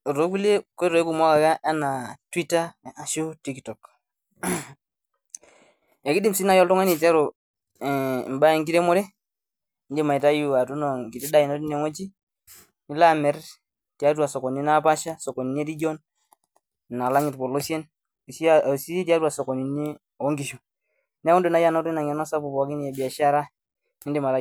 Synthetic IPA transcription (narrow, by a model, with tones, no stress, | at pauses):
ɾo˦ku˦le˦ko˦ɾo˨e˦ku˨ma˦ka˨ka˦ʔa˦na˨twi˦ta˦˨a˨ʃo˦ti˦ktɔ˨k | e˨ki˦di˦msi˦na˨jɔ˦ltɔ˦ŋa˦ni˨ta˦ɾo˨ | mba˦ɛ˨ŋɡi˦ɾe˦mo˦ɾe˦ | nd͡ʒe˨ma˨i˨ta˦ju˨a˨tu˦no˨ŋki˨te˦da˦i˨no˦ti˦ne˨ŋo˦t͡ʃi˦ | ni˦la˦mɛ˨˦ɾ | ti˨a˦t̬wa˨so˨ko˨ni˦na˦pa˦ʃa˦so˨ko˨ni˨n˦e˦ɾi˦d͡ʒo˦n˨ | na˨la˦ŋi˨tpo˨lo˦sje˦n˨ | ssi˦ti˦a˦twa˨so˨ko˨ni˨ni˦ | o˨˦ŋɡi˨ʃu˨ | ne˦wo˦ndu˦na˨ja˦no˦ɾi˦na˨ŋɛ˨no˦sa˦pu˨pɔ˨˦ki˦ni˨e˨bi˨a˨ʃa˦ɾa˦ | i˦ndi˨ma˨ta˦